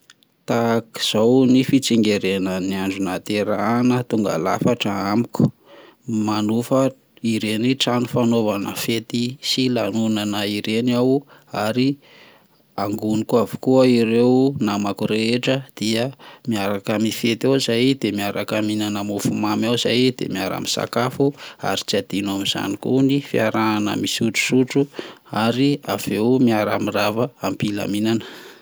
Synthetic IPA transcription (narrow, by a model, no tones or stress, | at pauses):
t̪aki̥z̥awnifit͡siŋɡeɾenəniaɳɖ͡ʐunat̪eɾanət̪uŋɡa̰la̰faʈ͡ʂəamiku̥ | manufə | iɾeniʈ͡ʂanufanovanəfet̪isilanunanəiɾenaw | aɾi | aŋɡunikuavukuəiɾewnamakuɾeeʈ͡ʂəd̪̥iəmiaɾakamifet̪awzajd̪̥emiaɾakaminanəmufumamawzajd̪ḛmiaɾa̰misa̰kafua̰ɾit͡siad̪inamiz̥a̰nikunifiaɾaanə̰misuʈ͡ʂu̥suʈ͡ʂuaɾia̰v̥ewmiaɾa̰miravəampila̰minanə̥